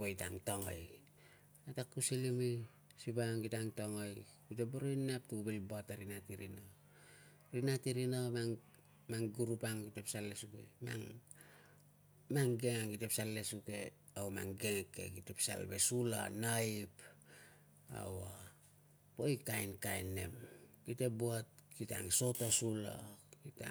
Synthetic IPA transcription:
po̞jta̰ŋtoŋo̰j | atakːusilimi | sipaŋɡitaŋtoŋoj | kiteboɾonap̚tuubelboataɾinatiɾino | ɾinatiɾinomaŋ | maŋɡuɾupaŋɡitepsalːe̞suke̞̰ma̰ŋ | maŋɡe̞ŋaŋkite̞psalːe̞suke̞ | awma̰ŋɡeŋke̞̰kitepsa̰lbe̞sula̰naip | a̰wa | po̞jkajnkajne̞̰mkite̞boat̚kita̰ŋso̞tosula̰kita

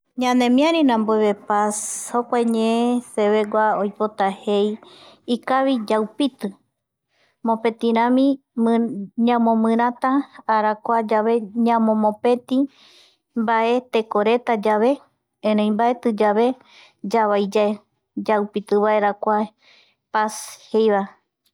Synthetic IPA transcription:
ɲãnẽmĩãɾĩnãmboeβepashokʷaeɲẽeseβe̞ɡʷaojpot̪ahejikaβid͡ʒawpit̪ɨ | mõpe̞t̪ĩɾ̃ãmĩ | ɲãmõmɨ̃ɾ̃ãt̪aːɾakʷad͡ʒaβeɲãmõmõpet̪ĩ | baʔe̞t̪e̞koɾe̞t̪ad͡ʒaβe̞ | ẽɾẽj̃mbaʔet̪ɨd͡ʒaβe | d͡ʒaβajd͡ʒae | d͡ʒawpit̪ɨβaeɾakʷa | pashejβa

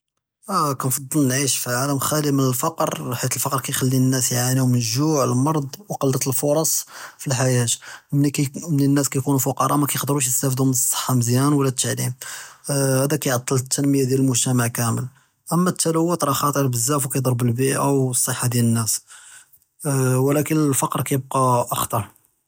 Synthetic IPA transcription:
ʔækænfɑd̪ˤːəlnʕiʃfiʕaləmxælimənəlfɑqɾħit̪əlfɑqɾˤkæjxælːiənːæsjʕanihʊmənəʒuʕləmɑɾˤd̪ˤwqɑld̪ət̪əlfoɾˤɑsˤfilħajæt̪mnikmənənːæskæjkunufʊqɑɾˤɑmækæjəqd̪ɾuʃ̬jəst̪æfd̪ʊmnəsˤːə̥ħːɑməzjænwlːæt̪ːaʕlim | hæd̪ækæjʕɑt̪ˤːəlt̪ːænməjad̪jæləlmʊʒt̪æmaʕkæməl | ʔəmːæt̪ːæləwːət̪ˤɾˤɑxɑt̪ˤəɾˤbəzːæfwkæjd̪ˤɑɾˤbəlbiʔʔəwsˤːəħːad̪jælənːæs | wlækənəlfɑqɾˤkæjəb̚qɑʔɑxt̪ˤɑɾˤ

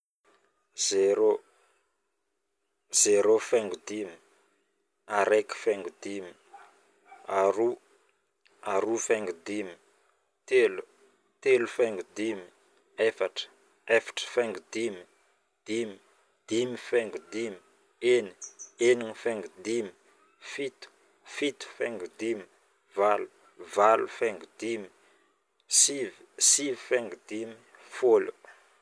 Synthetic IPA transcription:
zeɾo | z̥eɾofeŋɡud̪imi | aɾeki̥feŋɡud̪imi | aɾu | aɾufeŋɡud̪imi̥ | t̪elu | t̪elufeŋɡud̪imi | efaʈ͡ʂə̥ | efḁʈ͡ʂə̥feŋɡud̪imi | d̪̥imi | d̪̥imifeŋɡud̪imi | eni̥eniŋifeŋɡud̪imi | fit̪u̥ | fit̪u̥feŋɡud̪imi | valu̥ | valufeŋɡud̪imi̥ | sivisivifeŋɡud̪imifolu̥

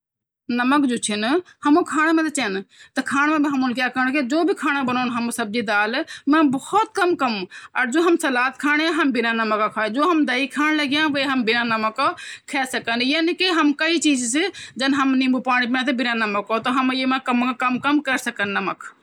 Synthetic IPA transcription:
nɐməkd͡ʒot͡ʃʰinhɐmõkʰaːnmẽt̪ɐt͡ʃɛnt̪ɐkʰaːɽ̃mẽbʱiɦɐmunkjaːkəɾɳked͡ʒoːbʱikʰaːɽ̃abənoːnɦɐmsɐb̚d͡ʒid̪aːlmẽbɔhɔt̪̚kɐmkɐmɐɾd͡ʒoːɦɐmsɐlaːt̪kʰaːɽ̃eaɦɐmbɪnanɐməkakʰaːed͡ʒoːɦɐmd̪ɐikʰaːñlɐɡjãʋəiɦɐmbɪnanɐməkokʰɛːsɐkənjaːnikiɦɐmkɐit͡ʃiːd͡ʒsid͡ʒɐnɦɐmnĩmbupaːɽ̃ipinãt̪ʰebɪnanɐməkot̪oɦɐmjemẽkɐmkɐmkɐmkəɾsɐkənːɐmək

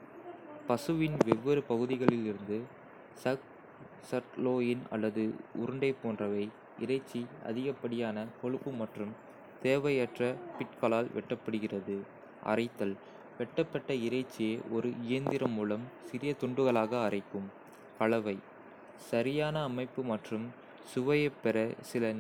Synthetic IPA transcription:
pɐsɯʋɪnʋɛʋːɪɾɯpɐɣɯðɪɣɐɭɪlɪɾɯnd̪ɯ | sɐ | sɐʈloːjɪnɐ̰lːɐðɯʊɾɯɳɖɐɪpːoːndrɐʋɐɪ | ɪɾɐɪt͡ʃːiɐ̰ðɪɣɐpːɐɽɪjaːnɐkɔɻɯpːɯmɐʈrɯm | t̪eːʋɐjɐʈrɐpɪʈ̚kɐlaːlʋɛʈːɐpːɐɽɯɣɪrɐðɯ | ʔɐ̰rɐɪt̪ːɐl | ʋɛʈːɐpːɐʈːɐɪɾɐɪt͡ʃːɪjeːʔɔɾɯɪjɐnd̪ɪɾɐmuːlɐmsɪɾɪjɐt̪ɔɳɖɯɣɐɭaːɣɐːrɐɪkːɯm | kɐɭɐʋɐɪ | sɐɾɪjaːnɐːmɐɪpːɯmɐʈrɯm | sʊʋɐjɐpːɛɾɐsɪlɐ

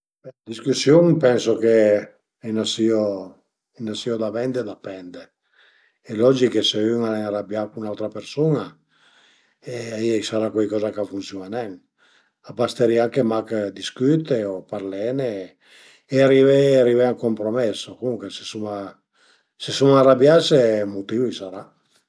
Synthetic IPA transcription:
bɛad̪iskusjoŋpɛnsoke | inasio | inasiod̪avɛnd̪ed̪apɛnd̪e | elɔd͡ʒikeseyŋaɾaŋaɾabjakunawt̪ɾapeɾsuna | eaisaɾakwɛjkɔːzakafuntsjonanɛŋ | abast̪eɾiaŋkemakd̪iskyt̪eopaɾlɛne | eariveariveaŋkompɾomɛsːokomuŋkwesesuma | sesumaarabjasemot̪ivisaɾa

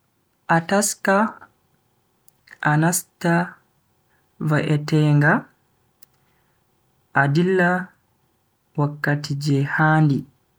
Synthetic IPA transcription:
ʔataska | ʔanasta | vaʔɛtɛːŋɡa | ʔadilːa | wakːatid͡ʒɛhaːndi

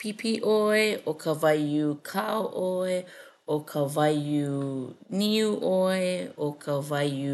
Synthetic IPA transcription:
pʰipiʔoeʔokʰɐvɐjukʰaoʔoe | okʰɐvɐjuniuʔoeokʰɐvɐju

